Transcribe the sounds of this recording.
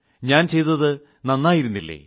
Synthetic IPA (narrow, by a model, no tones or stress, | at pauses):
ɲaːnt͡ɕe̞jt̪ːɐðɨ | nɐnːaːjiɾunːilːḛː